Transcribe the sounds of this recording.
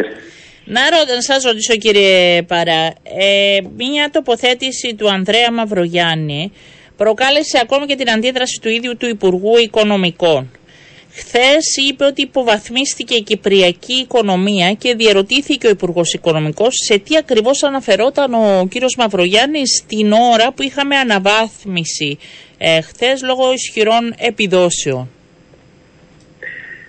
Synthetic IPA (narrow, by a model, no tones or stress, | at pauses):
nɐɾot̪sɐzɾo̞t̪iso̞ciɾiepɐɾɐemɲɐt̪o̞po̞θe̞t̪isit̪uɐnðɾe̞ɐmɐvɾo̞ʝɐni | pɾo̞kɐle̞se̞ɐko̞mice̞t̪inɐnd̪iðɾɐsi̥t̪uiðʝut̪uipuɾɣuiko̞no̞miko̞n | xθe̞sipe̞o̞t̪iːpo̞vɐθmist̪ice̞icipɾiɐciːko̞no̞miɐce̞ðie̞ɾo̞t̪iθiceo̞ipuɾɣo̞siko̞no̞miko̞sːe̞t̪iɐkɾivo̞sɐnɐfe̞ɾo̞t̪ɐno̞ciɾio̞zmɐvɾo̞ʝɐnist̪ino̞ɾɐpuixɐme̞ɐnɐvɐθmisi | xθe̞zlo̞ɣo̞isçiɾo̞ne̞piðo̞se̞o̞n